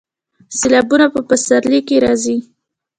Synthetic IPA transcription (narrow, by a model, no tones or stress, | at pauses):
selɑbunapəpəsaɾlikeɾɑzi